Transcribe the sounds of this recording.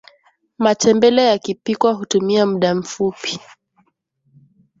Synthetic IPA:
matɛmbɛlɛjakipikwaɦutumiamuɗam̩fupi̥

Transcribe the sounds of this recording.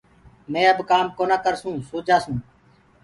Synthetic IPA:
mẽːəbkaːmkoːnaːkəɾsũːsuːd͡ʒaːsũː

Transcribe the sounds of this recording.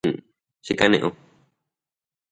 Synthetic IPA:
t͡ʃikanḛ̃ʔõ

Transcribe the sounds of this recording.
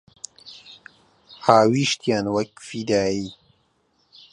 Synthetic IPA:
haːwiːʃt̪jaːnwɐkfid̪aːiː

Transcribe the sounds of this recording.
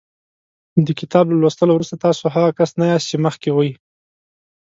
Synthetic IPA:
d̪əkɪt̪ɑblalwost̪əlowɾust̪at̪ɑsoɦaɣakasnajɑst̪̚t͡ʃeməxkewaji

